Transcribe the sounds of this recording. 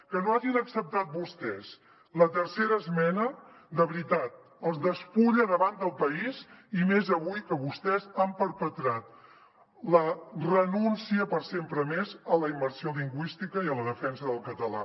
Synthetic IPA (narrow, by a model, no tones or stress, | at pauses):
kənoaʒinəksəp̚t̪at̪̚bust̪ɛs | lət̪ərseɾəːzmɛnə | d̪əβɾit̪at̪̚ | əlˠzðəspuʎəðəβand̪əlˠpəizimezəβujkəβust̪ɛzampəɾpət̪ɾat̪̚ | lərənunsiəpəɾsempɾəmezələimːəɾsioliŋɡwist̪ikəiələðəfɛnsəðəlˠkət̪əla̰